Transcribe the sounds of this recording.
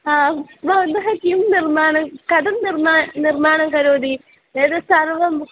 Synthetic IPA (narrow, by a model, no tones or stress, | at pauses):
aːbʱɐʋɐnd̪ɐɦɐkiːmnirmaːɳɐmkɐd̪ɐmnirmaːnirmaːɳɐŋkɐɾoːd̪i | eːd̪ɨsɐrʋɐm